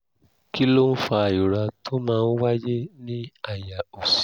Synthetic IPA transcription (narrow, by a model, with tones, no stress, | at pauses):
ki˦lo˦n̩˦fa˧a˨o˨ɾa˧tʰo˦mãː˦˧n̩˦wa˦d͡ʒe˦nĩ˦a˦˨ja˨o˨s